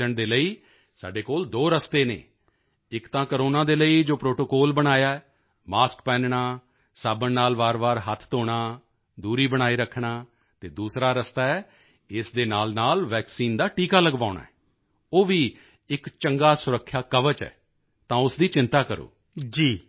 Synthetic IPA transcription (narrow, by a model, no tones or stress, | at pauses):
əɳd̪eːləiː | sa̰ːɖeːkoːld̪oːɾəst̪eːnḛː | ɪkt̪ãːkəɾoːnãːd̪eːləiːd͡ʒoːpɾoːʈoːkoːlbəɽaːjaːɛ | maːskpɛːnɳaː | saːbənnaːlʋaːɾbaːɾɦət̪ʰt̪oːɽaː | d̪uːɾiːbəɽ̃aːiːɾəkʰːɳaː | t̪eːd̪uːsɾaːɾəst̪aːɛː | ɪsd̪eːnaːlnaːlʋɛːksiːnd̪aːʈiːkaːləɡbaːʊɳa̰ːɛː | oːʋiː | ɪkt͡ʃəŋɡaːsʊɾəkʰːjaːkəʋət͡ʃɛ̰ː | t̪ãːʊsd̪iːt͡ʃɪ̃nt̪aːkəɾo̰ː | d͡ʒiː